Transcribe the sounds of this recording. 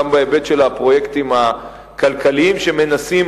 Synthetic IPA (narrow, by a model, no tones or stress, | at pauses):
ambaebe̞tʃe̞lapʁo̞je̞ktima | kalkaliimʃeme̞nasim